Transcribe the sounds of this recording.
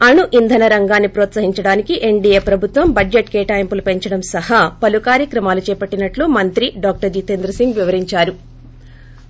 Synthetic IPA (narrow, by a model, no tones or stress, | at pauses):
ɐɳuʔind̪ʱɐnɐɾɐŋɡaːnːipɾɔːt̪sɐɦiɲt͡ʃɐɽaːnikiʔe̞ɳɖieːpɾɐbʱut̪ʋɐmbɐd͡ʒd͡ʒeʈkeːʈaːjɐmpulupe̞ɲt͡ʃɐɽɐmsɐɦɐpɐlukaːɾjɐkɾɐmaːlut͡ʃɛːpɐʈːinɐʈluːmɐnt̪ɾiɖaːk̚ʈɐɾd͡ʒiːt̪eːnd̪ɾɐsiŋɡʋiʋɐɾiɲt͡ʃaːɾu